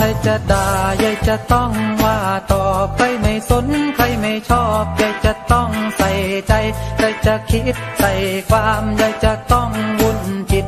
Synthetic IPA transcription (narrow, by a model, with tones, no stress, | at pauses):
kʰa˧˩jt͡ɕa˧˩daː˨˩ja˧˩jt͡ɕa˧˩t̪ɔ˥˩ŋwaː˧˩t̪ɔː˨˩p̚kʰa˧˥˩jma˥˩jso˧˥nkʰa˧˥˩jma˥˩jt͡ɕʰɔː˥˩p̚ja˧˩jt͡ɕa˧˩t̪ɔ˥˩ŋsa˨˩jt͡ɕa˧jka˧˩jt͡ɕa˧˨kʰi˧˦˥t̪̚sa˨˩jkʰwaː˧mja˧˩jt͡ɕa˧˩t̪ɔ˥˩ŋwu˧˥˨nkʰi˨˧˩t̪̚